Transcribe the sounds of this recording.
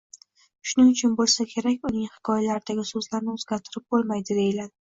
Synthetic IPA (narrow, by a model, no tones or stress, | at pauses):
ʃʊnɪŋʊt͡ʃʰʊnbolˠsakʲʰe̞ɾakʲʊnɪŋhɪ̥kʰɒjalaɾɪd̪aɡʲɪsɵzlaɾnɪɵzɡʲaɾt̪ʰɪɾɪp̚bolˠmajd̪ɪd̪e̞jɪlan